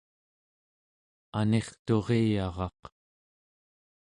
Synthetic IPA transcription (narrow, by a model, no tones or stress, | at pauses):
ane̞χt̪o̞ʁejɑʁɑ̰q